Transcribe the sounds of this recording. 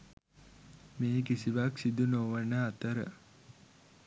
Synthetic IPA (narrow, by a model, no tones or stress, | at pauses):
meːkisiʋaksid̪unoːʋənəat̪əɾə̰